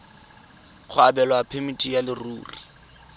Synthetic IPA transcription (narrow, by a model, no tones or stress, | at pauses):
χʰʊabɛlɔapʰemitʼijalɪruːri